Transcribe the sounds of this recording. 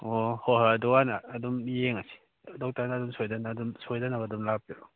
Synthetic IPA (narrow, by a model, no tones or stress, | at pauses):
ohoɦaɐduanɐːdumjeŋɐsi̥ | dɔk̚taɾnɐːdumsojdanadumsojdanɐbɐdumlap̚io